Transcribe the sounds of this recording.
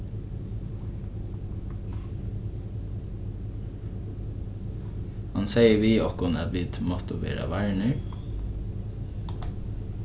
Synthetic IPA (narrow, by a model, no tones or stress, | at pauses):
hɑnseɪəʋiːɔkʊnɑd̪ʋiːt̪mɔt̪ɔʋḛːɾɑ̰ʋæɹɳəɹ